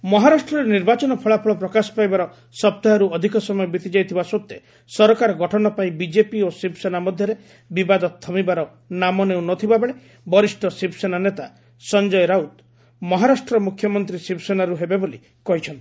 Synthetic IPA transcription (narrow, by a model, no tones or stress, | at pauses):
mɔɦaɾasʈɾɔɾeniɾbat͡ʃɔnɔpʰɔɭapʰɔɭɔpɾɔkasɔ̥pajbaɾɔ | sɔp̚t̪aɔɾuɔd̪ʱikɔsɔmɔjɔbit̪id͡ʒajt̪ʰibasot̪ːe | sɔɾɔkaɾɔɡɔʈʰɔnɔpaĩbid͡ʒepiosipʰsenamɔd̪ʱjɔɾe | bibad̪ɔt̪ʰːɔmibaɾɔ | namɔneũnɔt̪ʰibabeɭe | bɔɾisʈɔsipʰsenanet̪a | sɔnd͡ʒɔjɾaut̪ | mɔɦaɾasʈɾɔmukʰjɔmɔnt̪ɾisipsenaɾuɦebeboli | kɔɦit͡ʃʰɔnt̪i̥